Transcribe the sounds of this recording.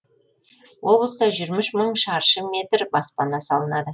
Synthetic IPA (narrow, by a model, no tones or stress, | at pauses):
wʔo̞blˠəsd̪ɑʒʏɾmɪʃməɴʃɑɾʃəme̞t̪ɾbɑspɑnɑsɑlˠənɑd̪ə